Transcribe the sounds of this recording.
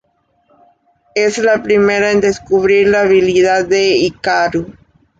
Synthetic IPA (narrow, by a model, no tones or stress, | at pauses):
eslapɾimeɾaẽnd̪eskuβɾiɾlaːβiliðaðeikaɾu